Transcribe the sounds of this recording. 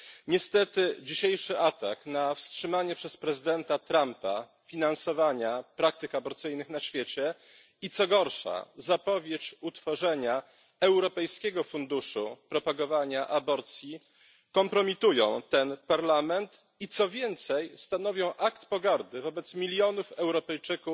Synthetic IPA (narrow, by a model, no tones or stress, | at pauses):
ɲɛst̪ɛt̪ɘd͡ʑiɕejʂɘʔat̪aknafstʂɘmaɲɛpʂɛspɾɛzɘd̪ɛnt̪at̪ɾampa̰ | fʲinansɔvaɲapɾak̚t̪ɘkabɔɾt̪sɘjnɘxnaɕfʲjet͡ɕɛ | it̪sɔɡɔɾʂa̰zapɔvʲjet͡ɕut̪fɔʐɛɲa | ɛwɾɔpɛjskʲɛɡɔfund̪uʂṵpɾɔpaɡɔvaɲaʔabɔɾt̪sʲji | kɔmpɾɔmʲit̪ujɔ̰̃w̃t̪ɛnpaɾlamɛnt̪ | it̪sɔvʲjɛnt̪sɛjst̪an̪ɔvʲjɔ̃w̃ʔakt̪pɔɡaɾd̪ɘvɔbɛt̪smʲilʲjɔnufɛwɾɔpɛjt͡ʂɘkuf